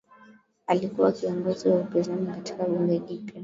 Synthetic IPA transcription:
alikuwakiɔŋɡɔziwaupɛzanikati̥kaɓuŋɡɛʄipɛ

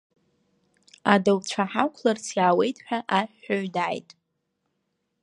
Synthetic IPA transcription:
adowt͡ɕʷʰaħakʷʰlarsʰjaːwe̞jtʼħᶣaʔaħaɥdaːjtʼ

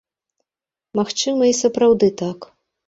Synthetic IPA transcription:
maxt͡ʂɨmɐisɐpɾawd̪ɨt̪ak

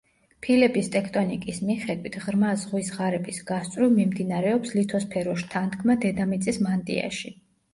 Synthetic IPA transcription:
pʰilɛbist̪ʼɛkʰt̪ʼɔnikʼismiχɛd̪wit̪ʰʁɾmazʁwisʁaɾɛbisɡast̪sʼɾumimd̪inaɾɛɔpslit̪ʰɔspʰɛɾɔʃt̪ʰant̪ʰkʰmad̪ɛd̪amit̪sʼismant̪ʼḭa̰ʃi

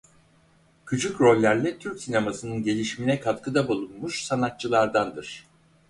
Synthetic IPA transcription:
cʰut͡ʃʰukɾo̞lʲːæɾlʲɛt̪ʰyɾcsinemasɯnɯnɟe̞lʲiʃminɛkʰat̪kɯd̪abulˠunmuʃsanat̪̚t͡ʃʰɯlˠaɾd̪and̪ɯɾ̝̥

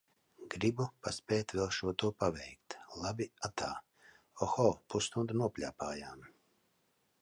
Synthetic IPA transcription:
ɡ̥ɾibupaspʲɛːt̪vʲɛlˠʃuɔt̪uɔpavʲɛjkt̪lˠabʲiat̪ʰaː | ɔxɔːpust̪und̪unuɔpʲlʲa̰ːpaːjaːm

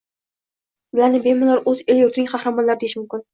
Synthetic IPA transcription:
bɪlanɪbemɪlaɾɵzeljʊɾt̪ʰɪnɪŋʲqʰɑhɾamɒnlaɾɪd̪eɪʃmʊmkʲɪn

